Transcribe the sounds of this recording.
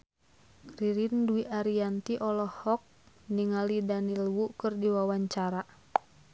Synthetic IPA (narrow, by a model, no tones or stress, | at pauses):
riɾinduiʔaɾiant̪iʔɔlɔhɔk̚ | niŋalidanilwukɨrdiwawaɲt͡ʃaɾa